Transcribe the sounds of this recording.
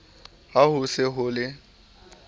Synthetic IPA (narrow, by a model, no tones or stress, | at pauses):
hahʊsɪɦʊlɪ